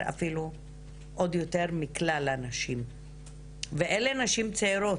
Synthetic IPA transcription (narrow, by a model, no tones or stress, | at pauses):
a̰filu | ʔo̞d̪jo̞t̪e̞ʁmiklalanaʃim | veʔelenaʃimt͡seiɾo̞